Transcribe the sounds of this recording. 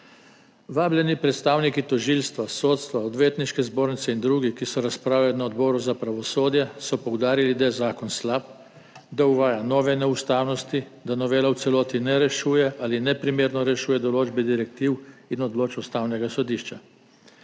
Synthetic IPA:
ʋaːbljɛnipɾɛt̪st̪aːwnikit̪ɔʒiːlst̪ʋasoːt̪st̪ʋaɔd̪ʋeːt̪niʃkɛzboːɾnit̪sɛind̪ɾuːɡikisɔɾaspɾaːwlalinaɔd̪bɔːɾuzapɾaʋɔsoːd̪jɛsɔpɔwd̪aːɾilid̪aɛzaːkɔnslap̚ | d̪auʋaːjanɔːʋɛnɛust̪aːwnɔst̪id̪anɔʋeːlaw̪sɛloːt̪inɛɾɛʃuːjɛʔaːlinɛpɾimeːɾnɔɾɛʃuːjɛd̪ɔloːd͡ʒbɛd̪iɾɛk̚t̪iwinɔd̪loːt͡ʃbɔst̪aːwnɛɡasɔd̪iːʃt͡ʃa

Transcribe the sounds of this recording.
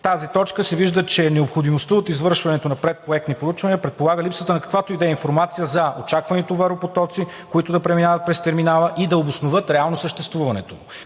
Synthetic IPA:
t̪azit̪ɔt͡ʃkəsɛviʒd̪ət͡ʃɛnɛopxod̪imost̪əot̪izvɤɾʃvɐnɛt̪onɐpɾɛt̪̚pɾoɛk̚t̪nipɾout͡ʃvɐniəpɾɛt̪̚polˠaɡəlipsət̪ənɐkɐ̥kvat̪oid̪ɛəĩnfoɾmat̪sijəzɐot͡ʃakvɐnit̪ovɐɾopot̪ɔt̪si | koit̪ʊd̪ɐpɾɛminavɐt̪̚pɾɛst̪ɛɾminalˠəʔid̪ɐobʊsnovət̪ɾɛalˠnosəʃt̪ɛst̪vuvɐnɛt̪om

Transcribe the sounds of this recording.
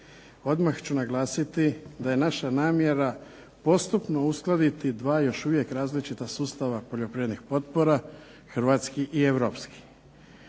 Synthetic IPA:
o̞d̪maxt͡ɕunaɡlˠaːsit̪id̪aje̞naʃanaːmje̞ɾa | po̞st̪upno̞usklˠad̪it̪id̪ʋaːjo̞ʃuʋje̞kɾaːzlit͡ʃit̪asuːst̪aʋapo̞ʎo̞pɾije̞d̪nixpo̞t̪po̞ɾa | xr̩ʋat̪skiʔieʋɾoːpski̥

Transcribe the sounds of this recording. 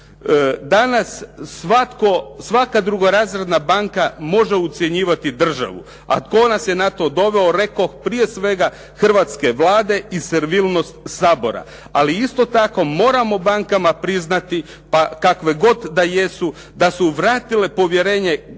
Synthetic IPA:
d̪anasːʋat̪ko̞sʋakad̪ɾuɡoɾaːzɾed̪nabaŋkamo̞ʒeut̪sje̞ɲiːʋat̪id̪r̩ʒa̰ʋṵ | a̰t̪konasjenat̪o̞d̪o̞ʋe̞oɾe̞koxpɾije̞sʋe̞ɡa | xr̩ʋat̪ske̞ʋlˠaːd̪e̞iseɾʋilˠno̞st̪saːbo̞ɾa̰ | aliist̪o̞t̪ako̞mo̞ːɾamo̞baŋkamapɾiznat̪i | pakakʋe̞ɡo̞d̪d̪aje̞su | d̪asuʋɾaːt̪ile̞po̞ʋjeɾe̞ːɲe

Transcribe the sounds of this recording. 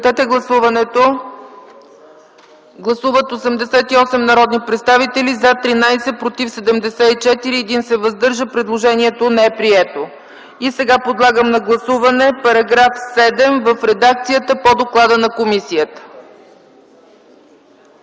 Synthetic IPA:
t̪ɛt̪ɛɡlˠɐsuvɐnɛt̪o | ɡlˠɐsuvət̪osɛmd̪ɛsɛt̪iɔsɛmnɐɾɔd̪nipɾɛt̪st̪avit̪ɛlʲizat̪ɾinajsɛpɾot̪ifsɛd̪ɛmd̪ɛsɛit͡ʃɛt̪iɾiɛd̪insɛvəzd̪ɤɾʒəpɾɛd̪lˠoʒɛnʲiɛt̪onɛɛpɾiɛt̪o | isɛɡapod̪lˠaɡəmnɐɡlˠɐsuvɐnɛpɐɾɐɡɾafsɛd̪ɛmvəfɾɛd̪ak̚t̪sijət̪əpod̪oklˠad̪ənɐkomisijət̪ə̥

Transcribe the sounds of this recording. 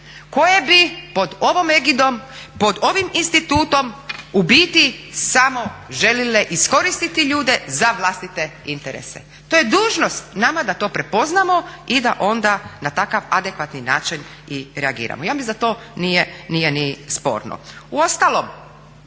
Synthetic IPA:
ko̞jebipod̪oʋomeɡid̪ompo̞d̪o̞ʋiminst̪it̪uːt̪o̞mubiːt̪isamo̞ʒe̞lileʔisko̞ɾist̪it̪iʎuːd̪e̞zaʋlˠast̪it̪e̞int̪eɾḛse̞̰ | t̪oje̞d̪uːʒno̞st̪namad̪at̪o̞ːpɾe̞po̞znamo̞id̪aʔo̞nd̪anat̪akaʋad̪ekʋat̪ninaːt͡ʃin | iɾeaɡḭːɾa̰mojaːmizat̪o̞ːnijenijenispo̞̰ːɾno̰uo̞st̪alˠo̞m

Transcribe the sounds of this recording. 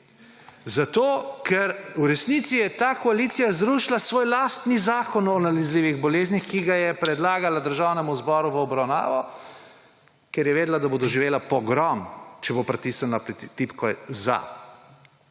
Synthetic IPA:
zat̪oːkɛɾuɾɛsnit̪sijɛt̪aːkɔalit̪sijazɾuʃlasʋoːjlaːst̪nizaːkɔnɔnalizliːʋiɣbɔleːznixkiɡajɛpɾɛd̪laːɡalad̪əɾʒawnɛmuzbɔɾuʋəɔbɾawna̰ːʋɔ | kɛɾjɛʋeːd̪lad̪abod̪ɔʒiʋeːlapɔɡɾɔmt͡ʃɛbopɾɛt̪isənapɾit̪ipkɔjza̰

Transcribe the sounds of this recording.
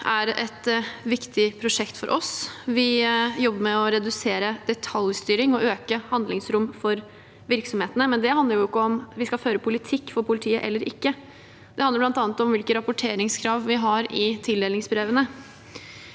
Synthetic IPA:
æɾɛt̪ʋɪkt̪ɪpʰɾʊʂɛkt̪fɔɾʔɔsʋɪjɔbːəmɛɔɾɛd̪ʉseːɾəd̪ɛt̪ʰɑlˠjst̪yːɾɪŋɔøːkəhɑnd̪lɪŋsɾʊmːfɔɾ | ʋɪɾksɔmheːt̪ənəmɛnd̪ɛɦɑnd̪əɾjʊɪkːəɔmʋɪskɑføːɾəpʰʊlɪt̪ʰɪkːfɔɾpʰʊlɪt̪ʰiːə̰ʔɛlːəɾɪkːə | d̪ɛhɑnd̪əblɑnt̪ɑːnət̪ɔmʋɪlkəɾɑpʊʈʰeːɾɪŋskʰɾɑːʋʋɪɦɑɾɪt̪ʰɪld̪eːlɪŋsbɾeːʋənə

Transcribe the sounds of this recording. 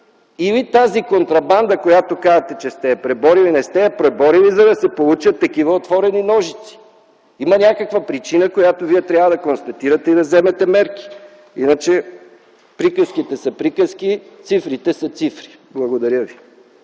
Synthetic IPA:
ilit̪azikont̪ɾɐband̪əkojat̪okazət̪ɛt͡ʃɛst̪ɛːpɾɛbɔɾivinɛst̪ɛpɾɛbɔɾilizɐd̪ɐsɛpolˠut͡ʃət̪ːɐkivəot̪vɔɾɛninɔʒit̪si̥ | imənʲakəkvəpɾit͡ʃinəkojat̪oviɛt̪ɾʲabvəd̪ɐkonst̪ɐt̪iɾɐt̪ɛid̪ɐzɛmɛt̪ɛmɛɾki̥ | inət͡ʃɛ | pɾikəskit̪ɛsɐpɾikəsk̟it̪sifɾit̪ɛsɐt̪sifɾi̥ | blˠɐɡod̪ɐɾʲjəvi

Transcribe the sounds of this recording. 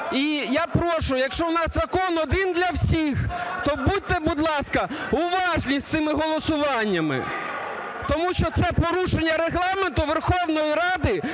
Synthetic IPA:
ijapɾɔʃʊjɐkʃt͡ʃɔwnɑszɐkɔnɔd̪ɪnd̪lʲɐwsʲixt̪ɔbud̪̚ʲɛbud̪lˠɑskɐʊʋɑʒnʲisʲtʲt̪sɪmɪɦɔlˠɔsʊʋɑnʲːɐmɪ̰ | t̪ɔmuʃt͡ʃɔt̪sɛpɔɾuʃe̞nʲːɐɾeɦlˠɑment̪ʊʋerxɔwnɔjiɾɑd̪ɪ

